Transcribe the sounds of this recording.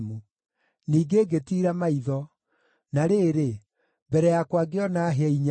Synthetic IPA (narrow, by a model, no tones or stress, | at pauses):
mu | niːɡeːɡetiɾamaiðɔ | naɾeːɾe | mbɛɾɛjakwaɡeɔnaɦɛiɲ